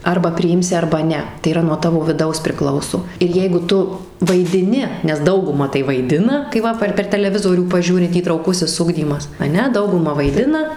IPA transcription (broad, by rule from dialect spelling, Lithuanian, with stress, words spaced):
ˈɐrbɐ pʲrʲɪˈɪmʲsʲɪ ˈɐrbɐ ˈnʲɛ tɐɪ iːˈrɐ nuɔ ˈtɑːʋoː ʋʲɪˈdɐʊs pʲrʲɪˈklˠɐʊsoː ɪr ˈjɛɪɡʊ ˈtʊ ʋɐɪdʲɪˈnʲɪ nʲɛs ˈdɐʊɡʊmɐ tɐɪ ʋɐɪˈdʲɪnɐ kɐɪ ˈʋɐ pɐr pʲɛr tɐlʲɛˈʋʲɪzoːrʲuː pɐˈʒʲuːrʲɪ iːtrɐʊˈkʊsʲɪs ˈʊɡdʲiːmɐs ɐˈnʲɛ ˈdɐʊɡʊmɐ ʋɐɪˈdʲɪnɐ